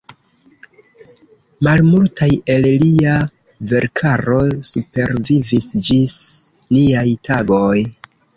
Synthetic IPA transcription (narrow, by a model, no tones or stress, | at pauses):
malmultaje̞llia | ve̞ɾkʰaɾo̞supe̞ɾvivisd͡ʒis | liajtʰaɡo̞j